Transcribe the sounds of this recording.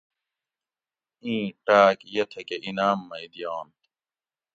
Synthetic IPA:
ĩːʈaːkjɐt̪ʰekeʔinaːmːɐid̪ijaːnt̪

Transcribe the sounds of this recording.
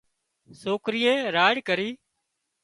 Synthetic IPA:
soːkɾɪjẽːɾaːɽkəɾiː

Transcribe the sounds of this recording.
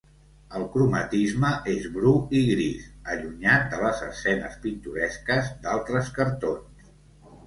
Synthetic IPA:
əlˠkɾumət̪izməʔezβɾuiɣɾisəʎuɲat̪̚ələzə̰sɛnə̰spint̪uɾɛskəzd̪alˠt̪ɾəskəɾt̪ons

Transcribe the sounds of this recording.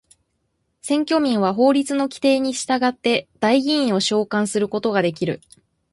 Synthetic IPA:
sẽ̞ŋkʲo̞ːmʲĩɰ̃βaɦo̞ːɾʲit͡sɨno̞kʲi̥t̪e̞ːɲ̟iɕi̥t̪aɡat̪ːe̞d̪̥aiɡʲĩĩɰ̃o̞ɕo̞ːkãɰ̃sɨɾɯ̟ko̞t̪o̞ɡad̪e̞kʲiɾɯ̟̰

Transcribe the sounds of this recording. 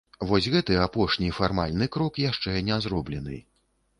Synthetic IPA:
vɔzʲɣɛt̪ɨapɔʂnʲifarmalʲnɨkɾɔkjaʂt͡ʂɛnʲɛzɾɔblʲɛnɨ̰

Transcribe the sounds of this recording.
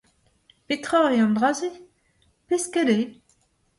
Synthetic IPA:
pet̪χɔeɑ̃d̪ʁaze | pɛskɛle

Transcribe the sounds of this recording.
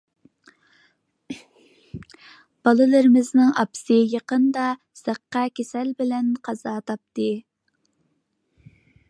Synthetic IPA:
b̥ɑlˠɨlˠɨɾɪmɪznɪŋɑpsɨjɑqənd̪ɑ | sæqːɑkʲesɛlbɪlɛnqʰɑzɑːt̪ʰɑp̚t̪ɨ

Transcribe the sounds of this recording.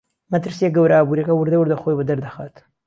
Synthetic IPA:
mɐt̪ɨɾsijeɡɐwɾaaːbuːɾiɐkɐwʊɾd̪ɐwɨɾd̪ɐxoːjbəd̪ɐɾd̪axaːt̪

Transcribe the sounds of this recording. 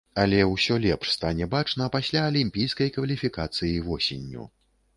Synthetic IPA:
ɐlʲɛwsʲɔlʲɛpʂst̪anʲɛbat͡ʂnɐpasʲlʲaɐlʲimʲpʲijskɐjkvɐlʲifʲikat̪sɨjivɔsʲenʲːṵ

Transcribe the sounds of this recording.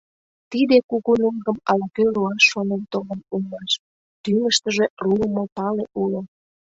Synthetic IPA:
t̪id̪ekuɣunuŋɡəmɑlkøluɑʃːonent̪olənumnɑʃ | t̪yŋəʃt̪əʒeruəmopɑleʔulo

